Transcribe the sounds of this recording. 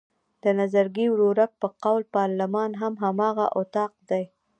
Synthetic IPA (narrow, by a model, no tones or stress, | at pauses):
d̪̥ənazaɾɡiwɽoɾak̚pəqawlpɑɾlamɑnɦamɦamɑɣa̰ʔʊt̪ɑq̚d̪aj